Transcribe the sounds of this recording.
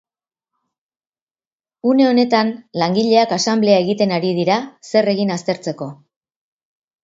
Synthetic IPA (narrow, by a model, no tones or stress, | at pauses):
une̞o̞ne̞t̪anlaŋɡiʎe̞akasamble̞aeɣ̞it̪e̞naɾið̞iɾase̞re̞ɣinast̪e̞ɾt͡se̞ko̞